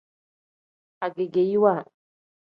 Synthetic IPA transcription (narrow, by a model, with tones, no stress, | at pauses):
a˨ɡe˨ɡe˨ji˦wa˦